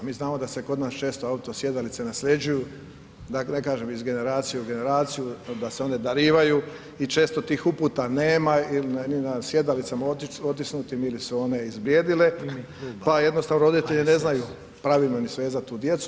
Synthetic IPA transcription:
miːznaːmo̞d̪aseko̞d̪naːst͡ʃe̞ːst̪oaut̪o̞sje̞d̪alit̪se̞naslʎe̞d͡ʒuju | d̪anekaːʒemizɡe̞ne̞ɾaːt̪sijeuɡe̞ne̞ɾaːt̪sijud̪aseo̞ne̞d̪aɾiːʋaju | it͡ʃe̞ːst̪o̞t̪iːxupuːt̪ane̞ːmailinninasje̞d̪alit̪samaot̪isnut̪imilisuo̞ne̞izbɾjed̪ile̞ | paje̞d̪nost̪aʋnoɾo̞d̪it̪e̞ʎine̞znaju | pɾaʋilnonisʋe̞ːzat̪uːd̪je̞t̪su

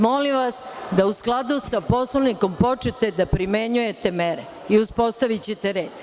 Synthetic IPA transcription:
molimʋasd̪ausklˠad̪usapo̞sloniko̞mpo̞t͡ʃet̪e̞d̪apɾime̞ɲuje̞t̪emeɾe | iuspo̞st̪aʋit͡ɕet̪eɾeːd̪

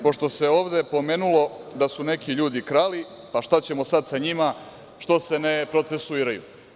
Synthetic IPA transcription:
po̞ʂt̪o̞se̞o̞ːʋd̪e̞po̞me̞ːnulo̞d̪asune̞kiʎuːd̪ikɾaːli | paʃt̪at͡ɕe̞mo̞sad̪saɲima | ʃt̪o̞se̞ne̞pɾo̞t̪se̞suiːɾajṵ

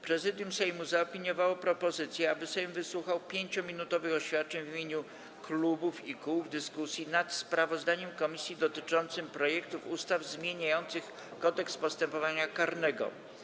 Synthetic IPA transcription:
pɾɛzɘd̪ʲjumsɛjmuzaɔpʲiɲjɔvawɔpɾɔpɔzɘt̪sʲjɛabɘsɛjmvɘswuxawpʲjeɲt͡ɕɔmʲinut̪ɔvɘxɔɕfʲat̪̚t͡ʂɛɲvmʲjeɲu | klubufikuvd̪ɘskusʲjinat̪spɾavɔzd̪aɲɛmkɔmʲisʲjid̪ɔt̪ɘt͡ʂɔnt̪sɘmpɾɔjɛkt̪ufust̪avzmʲjeɲajɔnt̪sɘx | kɔd̪ɛkspɔst̪ɛmpɔvaɲakaɾnɛɡɔ̰

